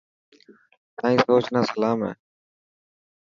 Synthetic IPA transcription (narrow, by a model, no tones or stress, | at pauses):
t̪ãːĩːsoːt͡ʃnaːsəlaːmɦɛ̰ː